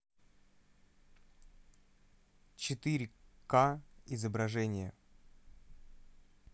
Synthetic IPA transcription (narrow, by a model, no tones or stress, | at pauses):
t͡ɕɪt̪ɨɾʲɪkaɪzəbɾɐʐɛnʲɪjə̰